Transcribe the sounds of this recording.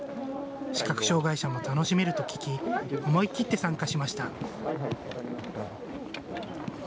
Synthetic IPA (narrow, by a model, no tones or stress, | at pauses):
ɕi̥kakɯ̟̥ɕo̞ːɡaiɕamo̞t̪ano̞ɕime̞ɾɯ̟t̪o̞kʲi̥kʲiomo̞ikʲːit̪ːe̞sãŋkaɕimaɕi̥t̪a